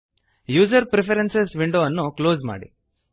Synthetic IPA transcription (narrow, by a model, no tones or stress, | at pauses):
juːd͡ʒɐɾpɾepʰɐɾensesʋiɳɖoːɐnːukloːzma̰ːɽḭ